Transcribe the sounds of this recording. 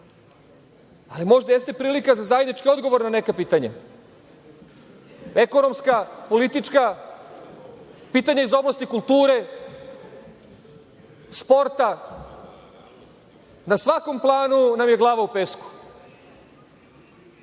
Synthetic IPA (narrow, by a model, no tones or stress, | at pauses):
alimo̞ʒd̪ajest̪e̞pɾiːlikazazajed̪nit͡ʃkio̞d̪ɡo̞ʋo̞ɾnane̞kapiːt̪aɲa | eko̞nomskapo̞lit̪it͡ʃka | piːt̪aɲaizo̞blast̪ikulˠt̪uːɾe | spo̞ɾt̪a | nasʋako̞mplˠaːnunamjeɡlˠaːʋaupesku̥